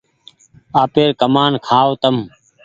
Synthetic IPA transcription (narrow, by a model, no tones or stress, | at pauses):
aːpeːɾkəmaːnkʰaːot̪əm